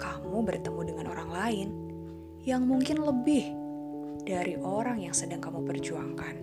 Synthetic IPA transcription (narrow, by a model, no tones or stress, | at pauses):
kamubərt̪əmudəŋanʔo̰ɾaŋlaɪn | jaŋmuŋkɪnləbɪh | d̥aɾiʔoɾaŋjaŋsədaŋkamupərd͡ʒuaŋkan